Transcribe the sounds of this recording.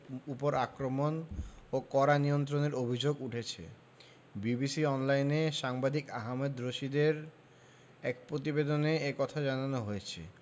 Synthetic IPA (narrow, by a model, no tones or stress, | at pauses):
upoɾakɾomonokɔɾaniont̪̬ɾoneɾobʱid͡ʑoɡuʈʰet͡ɕʰḛ | bibisiɔnlajneʃaŋbad̪ʱikaɦamed̪ɾoʃid̪eɾ | ɛk̚pɾot̪̬ibed̪oneekɔt̪ʰad͡ʑananoɦojet͡ɕʰḛ